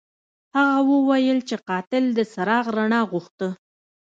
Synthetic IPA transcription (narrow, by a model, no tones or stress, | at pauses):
haɣawəwajəlt͡ʃeqɑt̪ɪld̪əsaɾɑɣɾaɳɑɣuxt̪ə